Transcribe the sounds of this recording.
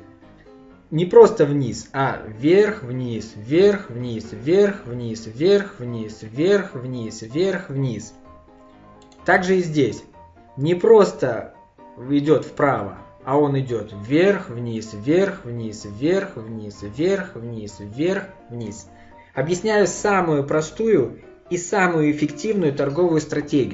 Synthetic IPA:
nʲɪpɾo̞st̪əvnʲisavʲerxvnʲisvʲerxvnʲisvʲerxvnʲisvʲerxvnʲisvʲerxvnʲisvʲerxvnʲis | t̪aɡʐɨɪzʲdʲesʲ | nʲɪpɾo̞st̪ə | ɪdʲo̞t̪fpɾavə̰ | ɐo̞nɪdʲo̞t̪vʲerxvnʲisʲerxvnʲisvʲerxvnʲisvʲerxvnʲisvʲerx | vnʲis | ɐbjɪsʲnʲæjʊsamʊjʊpɾɐst̪ujʊ | isamʊjʊɪfʲɪktʲivnʊjʊt̪ɐrɡo̞vʊjʊst̪ɾɐtʲeɡʲɪ

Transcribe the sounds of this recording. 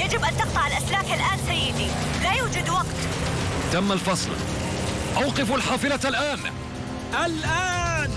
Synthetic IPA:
jad͡ʒɪbʔant̪ɑq̚t̪ˤɑʕalʔaslaːkalʔaːnsajːɪd̪ilajuːd͡ʒad̪wɑqt̪t̪amːalfɑsˤl | ʔawqɪfalħɑːfɨlaalʔaːn | ʔalʔan

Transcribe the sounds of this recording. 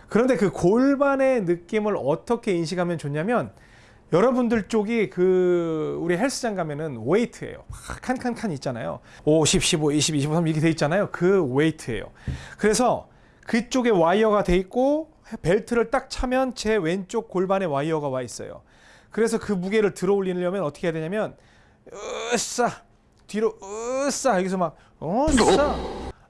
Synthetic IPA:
kɯɾʌnde̞kɯkoɭbane̞nɯk͈imɯɾʌt͈ʌkʰe̞inɕ̬ʰikʰamjʌnt͡ɕoɲamjʌn | jʌɾʌbundɯɭt͡ɕ͈oɡikɯ | uɾiɦeɭs͈ɯd͡ʑaŋɡamjʌnɯnweitʰɯe̞̰jo̰kʰankʰankʰaɲit̚t͡ɕ͈ana̰jo̰oɕʰip̚ɕ͈iboiɕʰibiɕ̬ʰibosʰamiɡede̞it̚t͡ɕ͈anajokɯwe̞itʰɯe̞̰jo̰kɯɾe̞sʰʌ | kɯt͡ɕ͈oɡe̞waiʌɡadwe̞it̚k͈o | pe̞ɭtʰɯɾɯɭt͈ak̚t͡ɕʰamjʌnt͡ɕe̞we̞nt͡ɕ͈ok̚k͈oɭbane̞waiʌɡawais͈ʌ̰jo̰ | kɯɾe̞s̬ʰʌkɯmuɡe̞ɾɯɭtɯɾʌoʎːinɯʎjʌmjʌnʌt͈ʰʌkʰejadweɲamjʌn | s͈a | tiɾos͈ajʌɡes̬ʰʌmak̚ | s͈a

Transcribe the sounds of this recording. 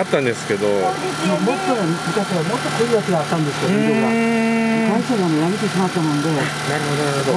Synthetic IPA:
at̪ːãnd̪e̞sɨ̥ke̞d̪o | omo̞t̪ːomɯ̟kaɕiamo̞t̪ːokɯɾijakiɡaːt̪ːãnd̪e̞sɨjoet̪eɾa | daisoɡanejaɡet̪ːeɕimat̪ːamõnd̪e̞ | naɾɯ̟hod̪onaɾɯod̪o

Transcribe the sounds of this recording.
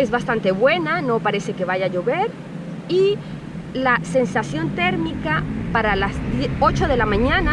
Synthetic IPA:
ezβast̪ant̪e̞βwe̞nano̞paɾe̞se̞ke̞βaʝaʝo̞βe̞ɾ | i | lase̞nsasjo̞nt̪e̞ɾmikapaɾalazdo̞t͡ʃo̞ðe̞lamãɲana

